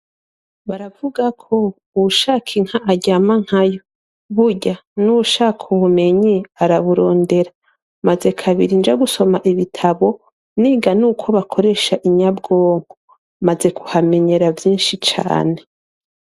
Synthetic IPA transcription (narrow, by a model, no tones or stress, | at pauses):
βaɾavuɡakʰo̞ | uβuʃaːkʰiŋ̥haʔːɟaːmaŋ̥hajo | βuɾɟanuuʃaːkʰuβume̞ɲiaɾaβuɾo̞ːnde̞ɾa | maze̞kʰaβiɾind͡ʒaɡuso̞maʔiβitʰaβo̞ | niɡanuːkʰo̞βakʰo̞ɾe̞ʃaʔiɲabɡo̞ːŋo̥ | maze̞kʰu̥hame̞ɲe̞ɾavjiːnʃit͡ʃa̰ːne̞